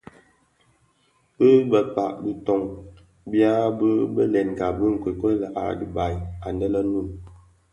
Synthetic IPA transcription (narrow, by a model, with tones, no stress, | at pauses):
bə˦bə˨k͡pa˨ʔbi˦tɔ˦ŋ | bja˦bə˦bə˦lɛ˨n˨ɡa˨bə˦ŋ̩˨kwe˨kə˦la˨ʔa̰˨di˨ba˨ja˨ndə˦lə˦nu˦˨n